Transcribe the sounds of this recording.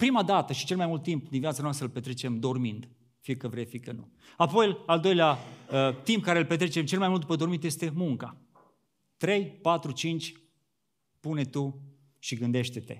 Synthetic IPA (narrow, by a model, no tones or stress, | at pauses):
pɾimad̪at̪əʃit͡ʃe̞lmajmult̪ːimpd̪invjat̪sanoast̪ɾəlpet̪ɾe̞t͡ʃe̞md̪o̞rmind̪ | fiekəvɾejfikənṵ | apo̞jald̪o̞jleaət̪imp̚kaɾeɨlpet̪ɾet͡ʃe̞mt͡ʃelmajmult̪upəd̪o̞rmint̪je̞st̪e̞muŋka | t̪ɾe̞jpat̪ɾut͡ʃint͡ʃʲ | pune̞t̪u | ʃiɡɨnd̪e̞ʃt̪et̪e̞̰